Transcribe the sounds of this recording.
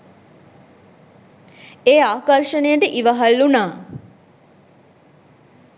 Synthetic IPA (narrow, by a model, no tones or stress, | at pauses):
eːaːkɐrʂənejəʈəʔiʋəɦalːunaː